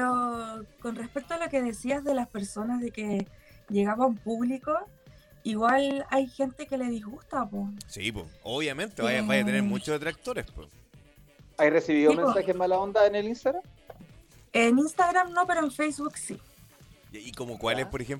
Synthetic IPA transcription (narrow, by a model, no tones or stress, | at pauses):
peoko̞nrespe̞k̚t̪oalo̞ke̞ðe̞siazðe̞laspe̞ɾso̞nazðe̞ke̞ʝeɣamoumpuβliko̞ | iɣwalajxe̞nt̪e̞ke̞le̞ðizɣust̪aposipo̰oβjament̪eβajabajat̪eneɾmut͡ʃozðet̪ɾak̚t̪oɾespo̰ | ajresiβiðomensaxemalaond̪aenelinst̪aɣɾam | eninst̪aɣɾamnope̞ɾoenfejsβuksi | aikomokwalespoɾexem